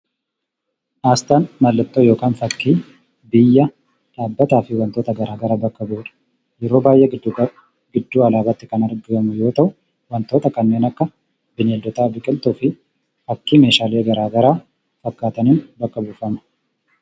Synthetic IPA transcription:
ʔaːst̪aːnmɐlːɐt̪ːoːjo̞ːkaːnfɐkːiː | bɪjːɐ | ᶑaːbːɐt̪aːfɪwɐnt̪oːt̪ɐɡɐɾaːɡɐɾaːbɐkːɐbuːᶑɐ̥ | jɛɾo̞ːbaːjʔːɛ | ɡɪd̪ːuːɐlaːbɐt̪ːɪkɐnɐɾɡɪɐmʊjo̞ːt̪ɐʔʊ | wɐnt̪o̞ːt̪ɐkɐnːe̞ːnɐkːɐ | bɪneːld̪ɔt̪aːbɪkʼɪlt̪uːfɪ | fɐkːiːmeːʃaːleːɡɐɾaːɡɐɾaː | fɐkːaːt̪ɐnɪnbɐkːɐbufɐmɐ̥

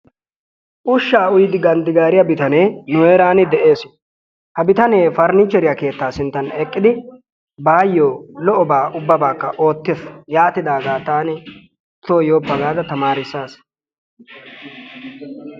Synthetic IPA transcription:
ʔʊʃːaːʊjɪd̪ɪɡɐnd̪ɪɡaːɾɪjɐbɪt̪ɐneːnʊeːɾaːnɪd̪ɛʔe̞ːs | hɐbɪt̪ɐne̞ːfɐɾnɪt͡ʃːɛɾɪjɐke̞ːt̪ːaːsɪnt̪ːɐnɛkʼːɪd̪ɪ | baːjːoːlɔʔɔbaːʔʊbːɐbaːkːɐʔo̞ːt̪ːɪsjaːt̪ːɪd̪aːɡaːt̪aːnɪ | t̪ːoːjo̞ːpːɐɡaːd̪ɐt̪ɐmaːɾɪsːaːs

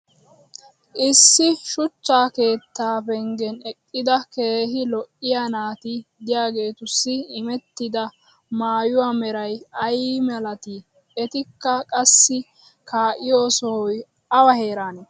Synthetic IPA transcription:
ʔɪsːɪʃʊt͡ʃːaːke̞ːt̪ːaːpɛŋɡɛnɛkʼːɪd̪ɐke̞ːɦɪlɔʔɪjanaːt̪ɪd̪ɪjaːɡe̞ːt̪ʊsːɪːmɛt̪ːɪd̪ɐ | maːjʊwaːmɛɾɐjɐjimɛlɐt̪ɪ | ɛt̪ɪkːɐkʼɐsːɪ | kaːʔɪjo̞ːsɔhɔj | ɐwɐhe̞ːɾaːnɛ

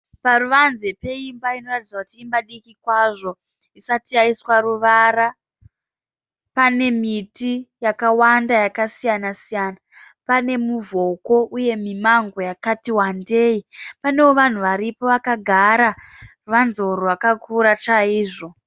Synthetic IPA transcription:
paruʋanzepe̞imbaino̞ratid͡zakutiːmbaɗikikwaʐo̞ | isatijaiswaɾuʋara | pane̞mitijakawandajakasijanasijana | pane̞muvo̞ko̞ʔuje̞mimaŋɡo̞jakatiwande̞ːipane̞woʋan̤uʋaɾipoʋakaɡʱaɾaruʋanzo̞rowakakuɾat͡ʃaiːʐo̞

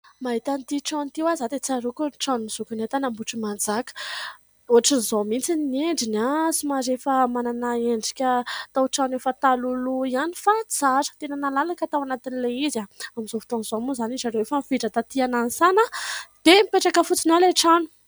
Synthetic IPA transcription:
maɦit̪ant̪iʈ͡ʂant̪iwazad̪et͡saɾukunʈ͡ʂanumiz̥ukunet̪anambuʈ͡ʂimand͡zakə̥ | oaʈ͡ʂinizomint͡sinneɳɖ͡ʐinasumazefəmananaeɳɖ͡ʐikʲət̪awʈ͡ʂanefət̪aluluianifat͡saʐə̥t̪enənalalakət̪awanat̪inileizaamizofi̥t̪onizomuzanizaɾewefəmifiʈ͡ʂət̪at̪ianansanəd̪̥emipeʈ͡ʂakəfut͡sinaleʈ͡ʂanu̥

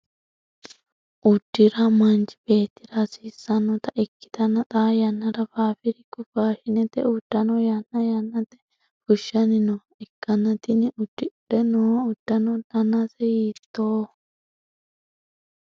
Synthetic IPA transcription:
ʔʊd̪̥ːɪɾɐmɐnt͡ʃɪ̥beːt̪ːɪɾɐsisːɐnɔt̪ɐʔɪkːɪ̥t̪ɐnɐt̪ʼaːjɐnːɐɾɐfaːfɪɾɪkʊfaːʃɪnɛt̪ɛ̰ʊd̪̥ːɐnojɐnːɐjɐnːɐt̪ːɛ̥ | fʊʃːɐnɪno | ɪkːɐnːɐt̪ɪnɪʔʊd̪̥ːɪɗɛnoːʊd̪̥ːɐnod̪ɐnasɛjiːt̪ːoː

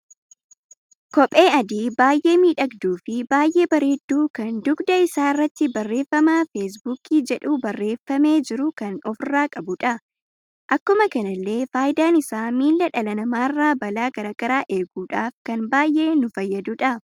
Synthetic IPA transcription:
kɔpʼe̞ːɐd̪iːbaːjʔe̞ːmiːᶑɐɡd̪uːfɪbaːjʔe̞ːbɐɾeːd̪ːuːkɐnd̪ʊɡd̪ɐɪsaːɪrːɐt̪ːɪbɐrːe̞ːfːɐmaːfes̬buːkiːd͡ʒɛᶑuːbɐrːe̞ːfːɐme̞ːd͡ʒɪɾʊkɐnɔfɪrːaːkʼɐbʊᶑɐ | ʔɐkːʊmɐkɐnɐlːe̞ːfaːjɪd̪aːnɪsaːmiːlːɐᶑɐlɐnɐmaːɪrːaːbɐlaːɡ̥ɐɾaːɡ̥ɐɾaːʔe̞ːɡuːᶑaːfkɐnbaːjʔe̞ːnʊfɐjːɐd̪uːᶑɐ

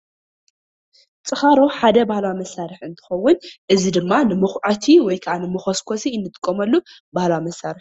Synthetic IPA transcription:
t͡sʼɨxaɾo̞ħad̪ɐbahlawamɐsːaɾɨħɨnt̪ʰɨ̥xɐwːʊnʔɨzid̪ɨmːanɨmɨxʕat̪ʰiwɔjkʰɐʕanɨmɨxoskʰosiɨnːɨt̪ʼɨ̥kʼːomɐlːu | bahlawamɐsːaɾɨħ

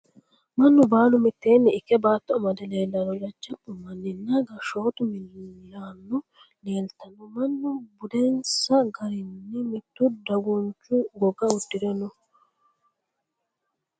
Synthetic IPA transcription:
mɐnːʊbaːnʊmɪt̪ːeːnːɪːkːɛbaːt̪ːɔmɐd̪ɛleːlːɐɾɔd͡ʒɐt͡ʃːɐpːʊmɐnːɪnːaɡɐʃo̞ːt̪ʊmɪljaːnːʊ | neːlt̪ɐnɔmɐnːʊbʊd̪ɛnsɐɡɐɾɪnːɪmɪt̪ːʊd̪ɐɡʊnt͡ʃːʊɡɔɡɐʊdːɪd̪ɛnɔ

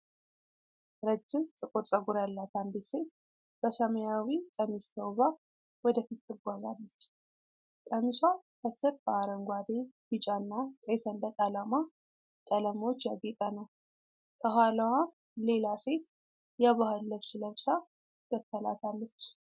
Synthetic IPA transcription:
ɾəd͡ʒːɪmt̪ʼɨkʼoɾt͡sʼəɡuɾjalːat̪and̪it̪se̞t̪̚ | b̥əsəməjawik̪ʼəmist̪ʰəwβa | wɔd̪əfit̪ʼːɨɡʷazalːət͡ʃː | k̪ʼəmiswakəsɨɾb̥əaɾəŋɡʷad̪eb̥ɨt͡ʃʼanːawt̪ʼejsənd̪ək̪ʼalama | t̪ʼələmot͡ʃːjaɡet̪ʼanəw | k̪ʼʰəhaləwa | le̞lase̞t̪ | jaβahɨlːəβsɨləβsa | k̪ːəkːəla̰t̪ʰalːət͡ʃː

